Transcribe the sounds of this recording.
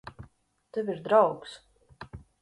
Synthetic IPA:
t̪ɛvʲiɾd̪ɾawks

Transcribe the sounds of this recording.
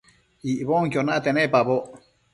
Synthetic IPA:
iʔβoŋk̬ʲjonat̪ɛnɛpaβo

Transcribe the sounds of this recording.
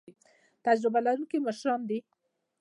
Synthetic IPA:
t̪ad͡ʒɾɪbalaɾunkiməʃɾɑnd̪i

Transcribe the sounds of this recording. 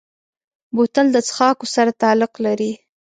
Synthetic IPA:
bot̪əld̪ət͡sxɑkosaɾat̪ɑlɪqlaɾi

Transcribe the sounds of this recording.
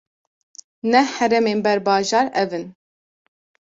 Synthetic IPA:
nɛhɛɾɛmeːnbɛɾbɑːʒɑːɾɛvɨn

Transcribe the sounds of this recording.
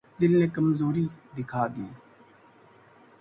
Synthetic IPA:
d̪ɪlnẽːkəmzoːɾiːd̪ɪkʰaːd̪iː

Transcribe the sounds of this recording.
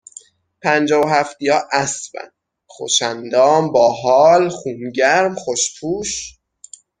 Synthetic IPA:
pʰænd͡ʒɒːvoɦæft̪ijɒːʔæsbæ̰n | xo̰ʃænd̪ɒːmbɒːɦɒːlχuːnɟæɾmχoʃpʰuːʃ

